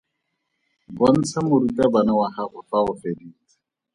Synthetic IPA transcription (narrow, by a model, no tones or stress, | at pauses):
bɔn̩t͡sʰamʊɾutʼabanawahaχʊfaʊfediːt͡sḁ